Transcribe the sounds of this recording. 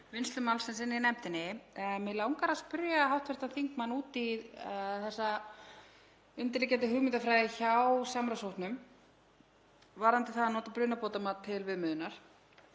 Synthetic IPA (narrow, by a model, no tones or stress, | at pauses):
vɪnst̪lʏmawlsɪnsɪnːɪnɛm̥t̪ɪnːɪmɪlawŋkaɾaspʏɾjaɦawht̪vɛɾ̥t̪anθiŋkmanːuːt̪i | θɛsːa | ʏnt̪ɪɾlɪcɛːt̪̬ɪɦʏɣmɪnt̪afɾaːjðɪçawwsamɾawsowht̪nʏm | vaɾant̪ɪθaðanɔːt̪apɾʏːnapowt̪amat̪ʰːɪlvɪðmʏːðʏnaɾ̥